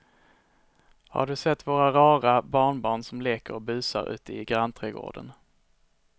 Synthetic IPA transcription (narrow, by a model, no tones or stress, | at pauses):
ha̰ɖɵsɛt̪ːvoːɾaɾɑːɾabɑːɳbɑːɳsɔmleːkəɾɔbʉ̟ːsa̰ɾʉ̟̰ːt̪əɪɡɾant̪ʰɾɛːɡo̰ːɖə̰n